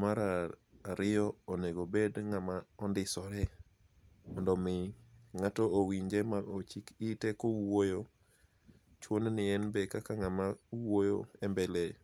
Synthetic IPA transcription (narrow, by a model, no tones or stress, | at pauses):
maɾaaɾɪɔoneɡobedŋamaɔndɪsɔɾɛ | mɔndɔmɪŋatɔowiɲd͡ʒemaot͡ʃikitɛkowojo | t͡ʃwonnɪɛnbekakaŋamauwojoɛmbɛle